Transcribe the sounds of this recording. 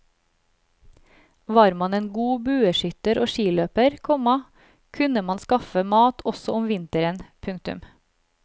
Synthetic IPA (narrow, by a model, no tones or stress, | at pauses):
ʋɑːɾmɑneːnɡuːbʉːəʃʏt̪əɾʔoːʃiːløːpəɾkʰɔmɑ | kʰʉnəmɑnskɑfəmɑːt̪ɔsɔʊmʋɪnt̪əɾənpʰʉŋkt̪ʉ̰m